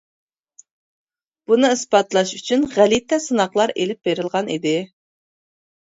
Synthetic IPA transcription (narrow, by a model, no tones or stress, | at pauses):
b̥unɨɨsbɑt̪lˠɑʃyt͡ʃʰynʁælit̪ʰɛsɨnɑqlˠɑɾelɪp̚beɾɨlˠʁɑnḭd̪ɪ